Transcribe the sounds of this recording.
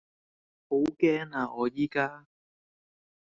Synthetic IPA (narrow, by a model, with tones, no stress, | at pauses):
ho˨˥wkɛː˥ŋaː˧ɔː˨˧jiː˥kaː˥